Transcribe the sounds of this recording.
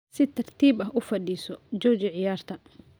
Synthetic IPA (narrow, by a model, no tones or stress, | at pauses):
sɪt̪ʰɐrt̪ʰiːbɐɦʔʊfɐɖiːsɔd͡ʒɔːt͡ʃɐʕɪjaːrt̪ʰɐ